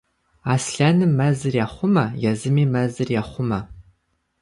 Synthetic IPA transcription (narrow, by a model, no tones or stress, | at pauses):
aːsɬanɨmːɐzɨrjaːχʷʊmɐjɛzɨmiːmɐzɨrjaːχʷʊmɐ